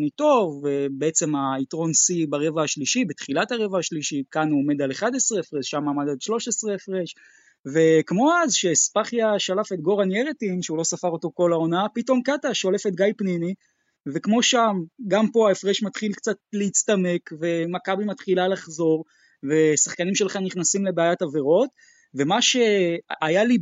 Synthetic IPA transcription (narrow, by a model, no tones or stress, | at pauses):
nit̪o̞vːebeet͡se̞maitʁo̞nsibaʁe̞vahaʃliʃibet̪χilataʁe̞vahaʃliʃikanuome̞d̪aleχad̪esʁeefʁesʃamːaːmad̪alʃlo̞ʃesʁeefʁeʃ | ve̞kmo̞azʃespaχjaʃalafe̞t̪ɡo̞ʁanjeʁet̪inʃeulo̞safaʁo̞t̪o̞ko̞lao̞napito̞mkataʃo̞le̞fet̪̚ɡajpnini | ve̞kmo̞ʃamɡampo̞aefʁeʃmat̪χilkt͡sat̚leit͡st̪ame̞kve̞makabimat̪χilalaχzo̞ʁ | ve̞saχkanimʃe̞lχaniχnasimle̞beajataveʁo̞t̪ | ve̞maʃe̞ajali